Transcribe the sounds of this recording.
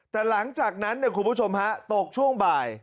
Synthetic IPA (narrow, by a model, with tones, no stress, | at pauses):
t̪ɛː˨˩la˩˦ŋt͡ɕaː˨˩k̚na˦˥nːi˥˩kʰu˧npʰuː˦˥˩o˧mha˦˥t̪o˨˩k̚t͡ɕʰu˥˩əŋbaː˨˩j